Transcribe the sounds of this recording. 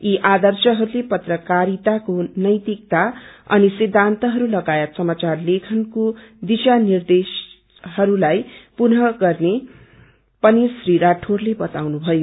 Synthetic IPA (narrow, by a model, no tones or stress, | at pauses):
iʔad̪ʌrsʌɦʌɾulepʌt̪rʌkaɾit̪akonʌjt̪ik̚t̪aʌ̰nisid̪ʱant̪ʌɦʌɾulʌɡajet̪sʌmat͡sarlekʰʌnkod̪isanird̪es | hʌɾulajpunɦʌɡʌrne | pʌnisriɾaʈʰorlebʌt̪awnubʱʌjo